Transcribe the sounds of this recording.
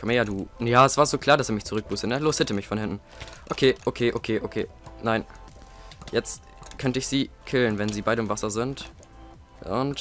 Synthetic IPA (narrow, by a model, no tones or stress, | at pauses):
kʰɔməjaːduːnəjaːɛsv̥aːɐzoːkʰl̥aːɐdasɛːɐmɪçt͡suʁʏk̚b̥uːsənəloːshɛtəmɪçfɔnhɪntn̩ | ʔokʰeːʔokʰeːʔokʰeːʔokʰeːnaɪn | jɛt͡st | kʰœntəɪçz̥iːkʰɪlənvɛnziːbaɪɾəɪmvasɐzɪnt | ʔʊnt